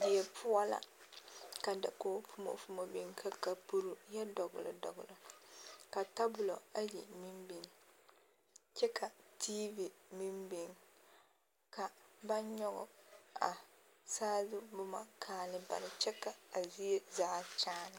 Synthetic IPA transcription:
dɪ˨ɛ˨pʰʊ˦ɔ˦la̰˦ | ka˨da˨koː˨˦fu˦mo̰˨fu˨mo˨bɪ˦ŋkʰa˨ka˨pu˦ɾu˨jɛ˦dɔ˨ɡʊ̰˨lɔ̰˨dɔ̰˨ɡʊ˨lɔ˨ka˨ta˦bʊ˨lo˨a˦ji˨mi˦mbi˨ŋ | t͡ʃɛ˦kʰa˨tʰiː˦vi˨mi˦mbe˨ŋ | ka˨ba˦ɲɔ˦ɡɔ̰˨a˨ | saː˦zʊ˦bʊ˦ma̰˦kʰaː˨lɪ˦ba̰˨nɪ˨t͡ʃɛ˦kːa˨a˨zi˦e˦zaː˦t͡ʃaː˦nɪ˨

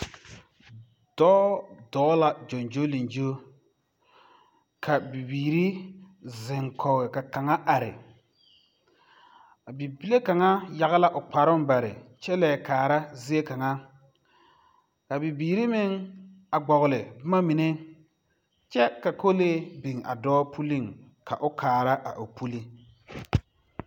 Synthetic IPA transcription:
d̥ɔː˦dɔː˨˦la˨d͡ʒo˨nd͡ʒo˦li˨nd͡ʒo˦ | kʰa˨bi˨biː˨ɾi˦ | zɪ˨ŋkʰɔ˨ɣɪ˨ka˨ka˨ŋa˦ʔa˨ɾɪ̰˨ | a˨bi˨bi˦le˦ka˨ŋa˦ja˨ɣa˦la˦ʔʊ˨k͡pa˨ɾʊ˦m˦ba˨ɾɪ̰˨t͡ʃɛ˦lɛː˨kaː˨ɾa˦zi˦e˦ka˨ŋa˦ | ka˨bi˨biː˨ɾi˦mɪ˦ŋ | a˨ɡ͡bɔ˨ɣʊ˨lɪ˨bma˦mi˨ne˦ | t͡ʃɛ˦ka˨ko˦leː˦bi˨ŋa̰˨dɔː˦pʰu˦li˦˨ŋ | kʰa̰˨ʔʊ˦kʰaː˨ɾa˦ʔa̰˨ʔo˨pu˦li˦

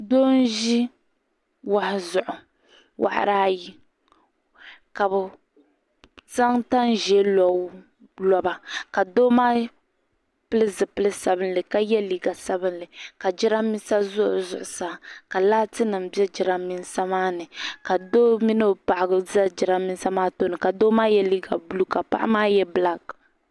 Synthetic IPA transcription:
do˦n˦ʒi˦ | wa˨hɪ˨zʊ˨ʔʊ˨ | wʔa̰˨ʔa̰˨ɾaː˦ji˦ | ka˨bʊ˨ | za˦ŋta˦nʒɛ˦lɔ˨˦ | lɔ˨ba˨ka˨doː˦maː˦ | pɨ˦lɨ˦zɨ˨pɨ˦lɨ˦sa˨bɨ˦nlɨ˨ka˦jɛ˦liː˨ɡa˨sa˦bɨ˦nlɨ˨ka˨d͡ʒɪ˦ɾa˦mi˦n˦sa˦zʊ˦ʔʊ̰˨zʊ̰˨ʔʊ˨sa˨ka˨laː˦tɨ˦nɨ˨m˦bɛ˦d͡ʒɪ˨ɾa˦mi˦nsa˦maː˦nɨ˨ka˨doː˦mi˦nɨ˦˨pa˨ʔɪ˨ɡɨ˦za˦d͡ʒɪ˨ɾa˦mi˦n˦sa˦maː˦to˦nɨ˨ka˨doː˦maː˦jɛ˦liː˦ɡa˨bu˦lu˦ka˨pa̰˦ʔa̰˦maː˦jɛ˦bla˦k

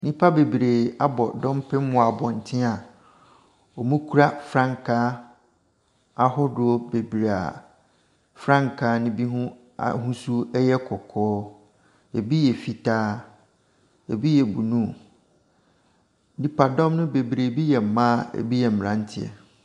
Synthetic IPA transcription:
nĩ˦pʰa˦be˨bɾe˨a˦bɔ˨dɔ̃˦mpʰɪ˦m̩˦mʊ̃˦a˨bɔ˨n̩˨tʰɪ̃˦a˨ | ɔ˨mũ˦kʰu˦ɾa˦fɾã˦ŋkʰaː˦ | a˦hʊ˦dʊ˨˦o˦be˨bi˨ɾe˨a̰˨ | fɾã˦ŋkʰaː˨˦nʊ̃˦bi˦ɦũ˦ | a̰˨ɦũ˦su˦ɛ˦jɛ˦kʰɔ˨kʰɔː˦ | e˨bi˦jɛ˨fi˨tʰaː˦ | e˨bi˦jɛ˨bu˨nũ˦ | nĩ˦pa˨dɔ̃˦mnʊ̃˦be˨bɾeː˨bi˦jɛ˨m̩˨mã˦ḛ˨bi˦jɛ˨m̩˨m˨ɾã˦n˦tʰɪ˦˨ɛ̰˨

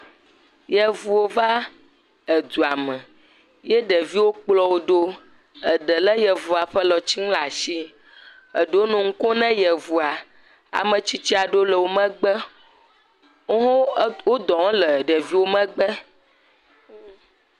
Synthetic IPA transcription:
jɛ˨vu˨wo˦va˦ | ə˨d̪u˨a˨mɛ̃˨ | jɛ˦ɖə˨vi˦wo˦k͡plɔ˦wo˦ɖo˦ | ə˨ɖə˨lə˦jɛ˨vu˨a˨ɸə˦lɔ˨t͡ɕi˦ŋ˦la˨ʃi˦ | ə˨ɖo˦nũ˨ŋ̩˦ko˦nɛ̃˦jɛ˨vu˨a˨ | a̰˨mə̃˨t͡ɕi˦t͡ɕi˦a˨ɖo˦lə˨wo˦mə̃˦ɡ͡bə˦ | ɦwo˦d̪ɔ˨ŋ˦lə˨ɖɛ˨vi˦wo˦mɛ̃˦ɡ͡bə˦

